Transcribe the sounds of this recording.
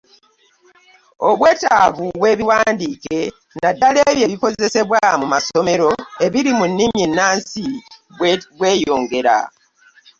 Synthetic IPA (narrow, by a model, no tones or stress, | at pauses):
oβwe̞ːtaβuβwe̞ːβiwaːndiːke̞ | nadaleβje̞βiko̞ze̞se̞βwamumaso̞me̞ɾo̞e̞βiɾimunːimjenːaːnsi | βwe̞ːjo̞ːŋɡe̞ɾa̰